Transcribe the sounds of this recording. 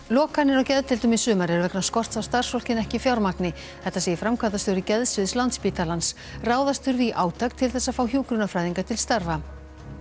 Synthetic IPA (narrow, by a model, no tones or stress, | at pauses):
lɔːkanːɪɾɔwcɛðt̪ʰɪlt̪ʏmisʏːmaɾɛɾʏvɛknaskɔr̥t̪sawst̪ar̥sfɔl̥cɪnɛhcɪfjawɾmaknɪ | θɛht̪ːasɛːjɪfɾamkʰvant̪̬ast̪ʏwɾɪcɛðsvɪðslant̪spit̪alans | raːwðast̪ʏɾviʔaːwt̪ak̚t̪ʰɪlθɛsːaðfaːwhjuːkɾʏnafɾaːjðiŋkat̪ʰɪlst̪aɾva